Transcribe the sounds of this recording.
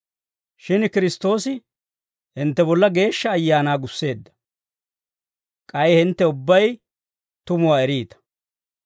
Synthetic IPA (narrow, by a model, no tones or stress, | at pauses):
ʃɪnkɪɾɪst̪o̞ːsɪ | hɪnt̪ːɛbɔlːɐɡe̞ːʃːɐːjːaːnaːɡʊsːe̞ːd̪ːɐ̥ | kʼɐjhɪnt̪ːɛʊbːɐj | t̪ʊmʊwaːɛɾiːt̪ɐ̥